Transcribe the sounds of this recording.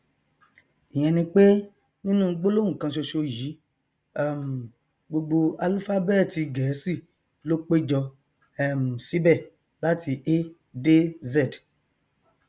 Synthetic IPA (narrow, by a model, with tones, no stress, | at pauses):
i˨j̃ɛ̃˧nĩ˧k͡pe˦ | nĩ˦nũ˦ɡ͡bo˦lo˦wũ˦˨kã˧ʃo˧ʃo˧ji˨˦ | ɛ˦˨m̩˨ | ɡ͡bo˧ɡ͡bo˧a˧lfa˦bɛ˦˨ti˨˧ɡɛ˨˦si˦˨ | lo˦k͡pe˦d͡ʒɔ˧ | ɛ˦˨m̩˨si˨˦bɛ˦˨ | la˦tʰi˧ʔe˦ | de˦zɛ˦˨d